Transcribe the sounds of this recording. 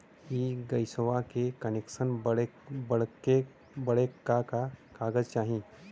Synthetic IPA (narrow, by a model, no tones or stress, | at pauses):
kiɡɐɪsəʋakekɐneksənbbəɽke | bəɽekakakaːɡəd͡ʒt͡ʃaːɦĩ